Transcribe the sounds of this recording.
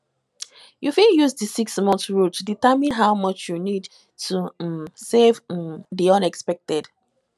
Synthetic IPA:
jufiljuzdəsiksmɔ̃nθɹudtʰuditamĩnɦaʊmʌt͡ʃjunid | tʰusevðiʌ̃nɛkspɛk̚tɛd

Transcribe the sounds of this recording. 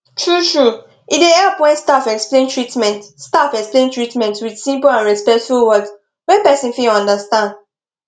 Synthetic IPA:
tʰɹutɹu | ideɛpwɛ̃ɪ̃nstafɛksplẽntʰɹitmɛ̃ntstafɛksplẽntɹitmɛ̃ntwidsĩmplãnɹɛspɛk̚tfulwɔds | wɛ̃npɛsĩnfiɔ̃ndəstãnd

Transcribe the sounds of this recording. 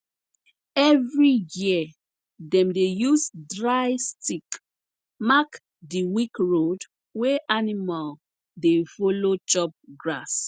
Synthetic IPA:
ɛvɹiji | dɛ̃mdejusdɹajstik | mak | diwikɹod | weʔanimal | defolot͡ʃɔp̚ɡɹas

